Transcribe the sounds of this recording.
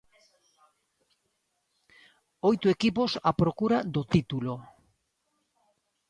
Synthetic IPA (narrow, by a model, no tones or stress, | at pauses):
ojt̪uekiposapɾokuɾad̪ot̪it̪ulo